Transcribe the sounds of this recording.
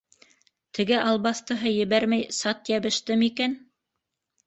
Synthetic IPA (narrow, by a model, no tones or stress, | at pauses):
t̪ʰɘ̆ɡɘʔɑlˠβɑθt̪ɤ̆ɦɤjɘ̆βæɾmæjsɑt̪jæβɘ̆ʃt̪ɘmikæn